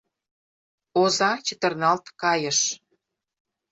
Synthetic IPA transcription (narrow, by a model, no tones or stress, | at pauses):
ozɑt͡ɕə̆t̪ə̆rnɑlt̪kɑjə̆ʃ